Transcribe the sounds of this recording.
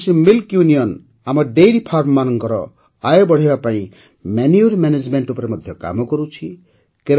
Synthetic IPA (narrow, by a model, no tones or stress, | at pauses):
similkjunijɔn | amɔɖejɖipʰaɾʈmanɔŋkɔɾɔ̰ | ajɔbɔɽ̤ibapaĩ | menjuɾmaned͡ʒmeɳʈupɔɾemɔd̪ʱjɔka̰mɔkɔɾut͡ʃʰi | keɾ